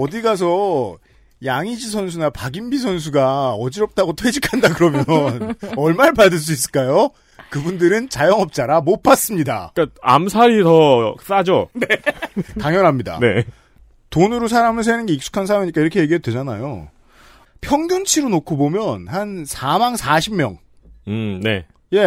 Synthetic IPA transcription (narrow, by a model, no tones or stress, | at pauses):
ʌdiɡas̬ʰʌ | jaŋid͡ʑisʰʌns̬ʰunapaɡimbisʰʌns̬ʰuɡaʌd͡ʑiɾʌp̚t͈aɡotʰwed͡ʑikʰandaɡɯɾʌmjʌnnʌɭmaɾpadɯɭs̬͈uis͈ɯɭk͈ajo | kɯbundɯɾɯnt͡ɕajʌŋʌp̚t͡ɕ͈aɾamop͈as͈ɯmɲida̰kaa̰msʰaɾitʌs͈ad͡ʑo | taŋjʌnɦamɲida̰ne | tonɯɾosʰaɾamɯɭs̬ʰenɯnɡe̞ik̚s͈u̥kʰans̬ʰaɾamiɲik͈aiɾʌkʰe̞je̞ɡiɦedwe̞d͡ʑana̰jo̰ | pʰjʌŋdunt͡ɕʰiɾonokʰobomjʌnhansʰamaŋsʰaɕʰimmjʌ̰ŋ | ne̞̰ | je̞